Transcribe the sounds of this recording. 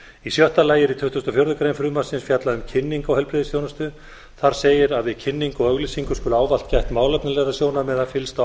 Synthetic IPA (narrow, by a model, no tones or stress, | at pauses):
isjɔht̪alaːjɪɾit̪ʰʏht̪ust̪ɔfjowɾðʏkɾejnfɾʏðmasɪnsfjat̪laʏmcʰɪnːiŋkawɦɛlpɾɪðɪsθjownast̪ʏ | θaɾ̥seːjɪɾaðvɪðcʰɪnːiŋkɔɣœɣlisiŋkʏskʏlaːwval̥t̪cajht̪maːwlɛpnalɛɣɾasjoːwnamɛðafɪlst̪a